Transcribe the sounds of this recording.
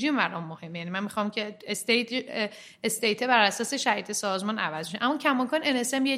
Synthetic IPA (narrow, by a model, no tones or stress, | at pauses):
ʒiːmvæɾɒnmohe̞mːejænimænmixɒːmcʰest̪e | est̪ejt̪ʰebæɾæsɒːse̞ʃæhiːd̪esɒːzmɒːnʔævæzmiʃeʔæmːɒːcʰæmɒːkʰɒːnenesemje